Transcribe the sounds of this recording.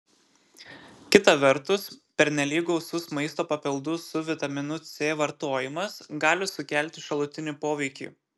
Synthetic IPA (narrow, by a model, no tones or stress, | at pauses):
kʲɪt̪ɐʋʲɛɾt̪ʊspʲɛɾʲnʲɛlʲiːɡɐʊsʊsmɐɪst̪oːpɐpʲɪlˠd̪ʊssʊʋʲɪt̪ɐmʲɪnʊt̪sʲeːʋɐɾt̪oːjɪmɐsɡɑːlʲɪsʊkʲæˑlʲt̪ʲɪʃɐlˠʊt̪ʲɪnʲiːˑpoːʋʲɛɪkʲḭː